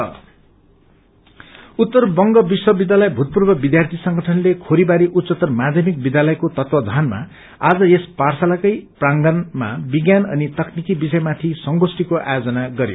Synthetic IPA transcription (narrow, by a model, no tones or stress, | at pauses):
ut̪ːʌrbʌŋɡʌbiswʌbid̪jalʌjbʱut̪̚purbʌbid̪jart̪ʰisʌŋɡʌʈʰʌnlekʰoɾibaɾiʔut̪sʌt̪ʌrmad̪ʱjʌmik̚bid̪jalʌjkot̪ʌt̪wʌd͡zʱanma̰ | ad͡zʌesparsalakʌjpraŋɡʌnma̰biɡjanʌ̰nit̪ʌknikibisʌjmat̪ʰisʌŋɡosʈikoʔa̰jod͡zʌnaɡʌɾjo̰